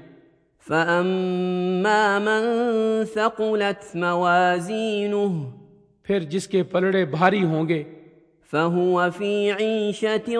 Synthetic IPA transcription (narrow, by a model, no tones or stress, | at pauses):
faʔamː | aːmansaqʊlat̪mawaːziːnʊɦ | pʰɪɾd͡ʒɪskepɐlɽebʱaːɾiɦõːɡeː | faɦʊwafiːʕiːʃat̪